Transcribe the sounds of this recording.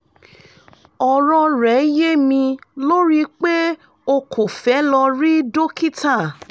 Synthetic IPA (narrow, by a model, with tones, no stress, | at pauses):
ɔ˨ɾɔ̃˧ɾɛ˨˦je˦mĩ˧lo˦ɾi˦k͡pe˦ | o˧kʰo˨fɛ˨˦lɔ˧ɾi˦do˦ki˦ta˦˨